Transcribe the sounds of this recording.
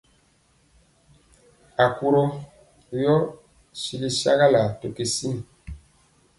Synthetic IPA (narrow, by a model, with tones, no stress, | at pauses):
a˨ku˦ɾo˦˨ | jɔ˦ | si˨li˦sa̰˦ɣa˦la˨to˨ke˨si˦n˨